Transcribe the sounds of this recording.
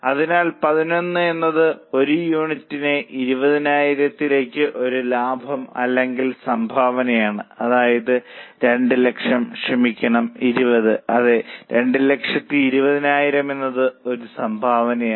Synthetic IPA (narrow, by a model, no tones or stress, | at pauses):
ɐðinaːlpɐðino̞nːɨe̞nːɐðɨo̞ɾujuːɳitːineʔiɾubɐðinaːjiɾɐt̪ːile̞ːkʲːɨʔo̞ɾulaːbʱɐmɐ̰lːe̞ŋɡilsɐmbʱaːʋɐnɐjaːɳɨɐðaːjɐðɨɾe̞ɳɖɨle̞kʂɐmɕrɐmikʲːɐɳɐmiɾubɐðɨɐðɨɾe̞ɳɖɨle̞kʂɐt̪ːiːɾubɐðinaːjiɾɐme̞nːɐðɨoɾusɐmbʱaːʋɐnɐjaː